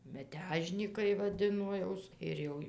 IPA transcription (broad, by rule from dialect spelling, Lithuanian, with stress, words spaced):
mʲɛˈtʲæːʒʲnʲiːkɐɪ ʋɐˈdʲɪnoː ˈjɛʊs ɪr ˈjɛʊ